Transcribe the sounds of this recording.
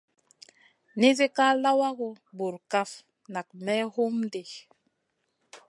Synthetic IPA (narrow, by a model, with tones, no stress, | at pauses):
ni˦zi˦ka˦la˦wa˦ɡu˨ | bu˨ɾka˦f | na˨k̚mɛ˦hu˦mde˨